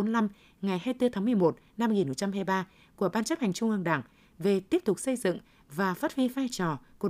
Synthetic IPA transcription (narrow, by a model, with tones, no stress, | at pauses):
nla˧m | ŋa˨˩jhaː˧jt̪ɨ˧t̪ʰaː˨˦mɨ˨˩əjmo˨˩t̚na˧mː˧jŋi˨˩nːho˨˩t͡ɕa˧mɦaː˧jɓaː˧ | ku˧˩əɓaː˧nt͡ɕa˦˥p̚ha˨˩ŋ̟t͡ɕʊ˧ŋ͡mʔɨː˧ŋɗa̰˧˩ŋ | ve˨˩t̪i˦˥əp̚t̪ʊ˨˩k͡p̚sə˧jzɨ̰˧˨ŋ | vaː˨˩fəː˦˥t̚wi˧faː˧jt͡ɕɔ˨˩ku˨˩